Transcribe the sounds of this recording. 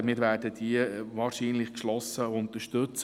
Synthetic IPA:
mɪːɾʋæːɾdəd̥iəʋɑːɾʃiːnlɪχkʃlɔsəʊnt̪əʃtɵt͡s

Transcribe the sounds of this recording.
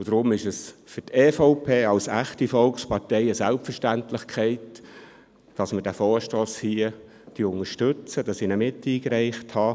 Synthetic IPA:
ʊd̥ɾʊmɪʃəsfʏtɛːfoʊpʰeːɑlsæχtifɔlkspɑɾtɛɪəsælpfərʃtæntlɪχkχɛɪt | d̥ɑsmədæfoːɾʃtoːshiə | d̥iʊŋəʃtɵt͡səd̥ɑsɪnəmɪtːiːkɾɛɪχthɑː

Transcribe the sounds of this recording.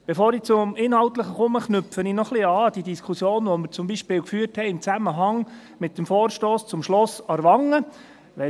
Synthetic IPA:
b̥efoːɾit͡sʊmɪnhɑlt̪ləχəχʊməχnʏpfəninɔχliɑːd̥idiskʰusjoːnʋɔmɪɾt͡sʊmbiːʃpɪːlwkfyːrthɛɪɪmt͡sæməɦɑŋ | mɪt̚dəmfɔːrʃtoːst͡sʊmʃlɔsɑɾʋɑŋːə | ʋɛ

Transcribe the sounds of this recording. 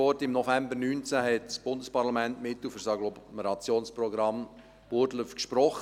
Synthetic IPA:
ɔɾtɪmnɔfɛmbəɾnyːnt͡sæɦɛtsb̥ʊndəspɑɾlɑmɛntmɪtːlufəɾsɑɡlɔmeɾɑt͡sjoːnspɾɔɡɾɑm | b̥ʊɾdləfkʃpɾɔχ

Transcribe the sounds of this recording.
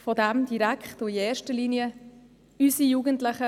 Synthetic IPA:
fɔdæmd̥iɾækχtʊiɛːɾʃtəliːniə | ysijuːɡəntlɪχə

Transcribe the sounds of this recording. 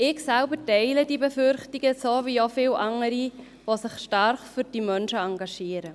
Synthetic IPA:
ɪɡsɛlbəɾtɛɪlədibɛfʏɾχtiɡ̥əsoːviofɪlʔɑŋəɾi | ʋosɪχʃtɑrχfyɾd̥imœnʃəɑŋɡɑʃiːəɾə

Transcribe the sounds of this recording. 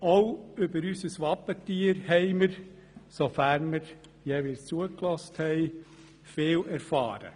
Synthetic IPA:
oʊʏbəɾysəsʋɑpːətiːəɾhɛɪməɾ | sofæɾnmɪɾ | jɛʋɪt͡suəklɔsthɛɪ | feːlɛɾfɑ̰ːɾə̰

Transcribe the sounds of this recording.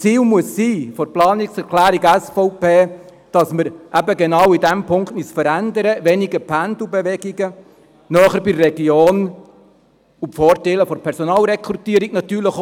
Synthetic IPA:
t͡siːlmuəsːiːfɔɾplɑːnɪksɛɾkʰlæːɾiɡæsfɔʊpeː | d̥ɑsməɾʔæbəɡenɑwidæmpʰʊŋktmysfəɾændəɾəʋɛniɡəpʰænd̪ubeʋɛɡiɡə | nœːχəɾbirɛɡioːn | upfɔːɾtɛləfɔɾpʰɛɾsɔnɑːlɾɛkʰɾut̪iəɾiknɑt̪yːɾləχ

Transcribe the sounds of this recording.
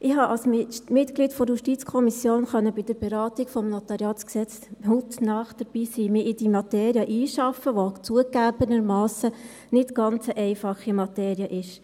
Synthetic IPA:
ʔɪɦɑʔɑlsmmɪtɡ̥lidfɔɾjuʃtit͡skʰɔmisjoːnχœnːəbɪd̥əɾb̥ɛɾɑːtiɡfɔmnot̪ɑɾjɑːt͡sksɛt͡s | hutnɑχd̥əɾb̥iːsiːmɪʔɪd̥imɑteːɾjəʔiːʃɑfːəʋot͡suəkːæːbənəɾmɑːsə | nɪtɡ̥ɑnt͡səʔɛɪfɑχimɑt̪eːɾiəʔɪʃ

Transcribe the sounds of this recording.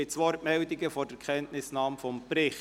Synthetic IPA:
ɪtsʋɔɾtmɛldɪɡəfɔːɾd̥əkʰχɛntnɪsnɑːmfɔmpɾɪχ

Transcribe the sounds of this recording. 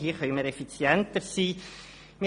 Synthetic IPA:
hiːχœʏməɾɛfit͡sjɛntəɾsiː | mi

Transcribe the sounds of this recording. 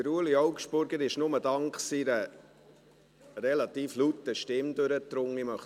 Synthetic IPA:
əɾuəliɔwkʃb̥ʊɾɡəɾɪʃnʊməd̪ɑŋkχsiɾə | rɛlɑt̪iːflut̪ːəʃtɪmd̪øɾət̪ɾʊŋːimœχ

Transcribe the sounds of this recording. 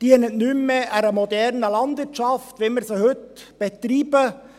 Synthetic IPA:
d̥iənətnʉmːeʔæɾəmodɛɾnəlɑndʋɪɾtt͡ʃʃɑftʋeməɾsoːhʏtb̥ɛt̪ɾiːbə

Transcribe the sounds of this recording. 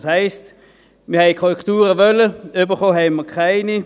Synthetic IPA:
shaɪst | mɪhɛɪkʰɔʁɛktuːʁəvœləʏbəχoːɦɛɪməkʰaɪni

